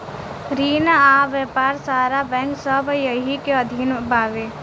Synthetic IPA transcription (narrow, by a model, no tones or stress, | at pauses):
ɾiːnaʋəpaːɾsaːɾabɛ̃ːŋksəbjəɦikeəd̪ʱinbʱaːʋe